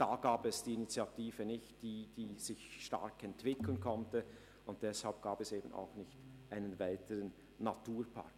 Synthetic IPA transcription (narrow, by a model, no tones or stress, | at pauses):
d̥aːɡ̥aːpɛsd̥iːinit͡sjatiːvənɪçtd̥iːd̥iːz̥ɪçʃta̰ɾkɛntv̥ɪklənkʰɔntə | ʊnt̚d̥ɛshalp̚ɡ̥aːpɛseːbən̩a̰ʊxnɪçtʔaɪnənvaɪtʰəʁənː | atuːɐpʰa̰k